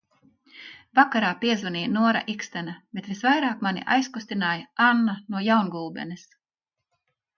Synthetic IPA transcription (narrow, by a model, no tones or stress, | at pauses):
vakaɾaːpiɛzvunʲiːnuɔɾa̰ʔikst̪ænab̥ʲet̪visvajɾaːkmanʲḭʔa̰jskust̪inaːjaanːanuɔjawnɡulˠbɛ̰nis